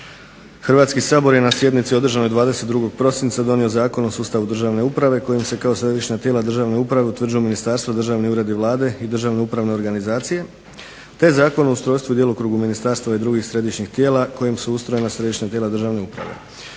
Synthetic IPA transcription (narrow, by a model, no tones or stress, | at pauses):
xrʋaːt̪skisaːbo̞ɾje̞nasje̞d̪nit̪sio̞d̪r̩ʒano̞jd̪ʋaːd̪e̞set̪d̪ɾuɡo̞ɡ̚pɾo̞sint̪sad̪o̞nio̞zaːko̞no̞suːst̪aʋud̪r̩ʒaʋne̞upɾaʋe̞ko̞jimse̞kaosɾe̞d̪iʃɲat̪je̞ːlad̪r̩ʒaʋne̞upɾaʋe̞ut̪ʋr̩d͡ʑiuminist̪aːɾst̪ʋad̪rʒaʋniuːɾe̞d̪iʋlˠaːd̪e̞id̪r̩ʒaʋne̞upɾaʋneo̞ɾɡanizaːt̪sije̞ | t̪e̞zaːko̞noust̪ɾo̞ːjst̪ʋud̪je̞lˠukɾuːɡuminist̪aːɾst̪aʋaid̪ɾuɡixsɾe̞d̪iʃɲixt̪jeːlako̞jimsuust̪ɾo̞jenasɾe̞d̪iʃɲat̪jeːlad̪r̩ʒaʋne̞upɾa̰ʋe̞̰